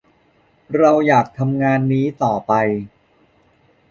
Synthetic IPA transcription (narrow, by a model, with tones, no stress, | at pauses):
ɾa˧wjaː˨˩k̚t̪ʰa˧mŋaː˧nːiː˦˥t̪ɔː˨˩pa˧j